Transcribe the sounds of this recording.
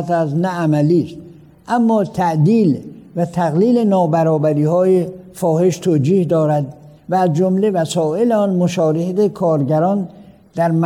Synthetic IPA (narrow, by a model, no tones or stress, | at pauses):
t̪æsnææmæliːst̪̚ | ʔæmːɒːt̪ʰæʔd̪iːlvæt̪ʰæɣliːle̞nɒːbæɾɒːbæɾiːhɒːjefɒːhe̞ʃt̪ʰoːd͡ʒiːhd̪ɒːɾæd̪ | væːzd͡ʒomle̞væsɒːe̞leɒːnmoʃɒːɾehet̪ekʰɒːɾɟæɾɒːn | d̪̥æɾm